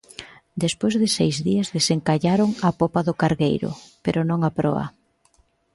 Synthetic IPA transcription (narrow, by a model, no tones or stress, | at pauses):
d̪espojzðɪsejzðiɐzðeseŋkaʎaɾoŋapopaðʊkaɾɣejɾʊ̰peɾʊnõŋapɾɔɐ̰